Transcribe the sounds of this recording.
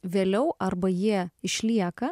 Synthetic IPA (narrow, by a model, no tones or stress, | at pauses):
ʋʲeːlʲɛʊʔɐɾbɐjiɛɪʃʲlʲiɛkɐ